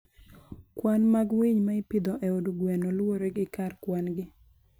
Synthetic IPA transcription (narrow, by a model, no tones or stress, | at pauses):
kwanmaɡwiɲmaɪpɪd̪ɔʔɛoduɡwɛnɔlwoɾeɡɪkarkwanɡɪ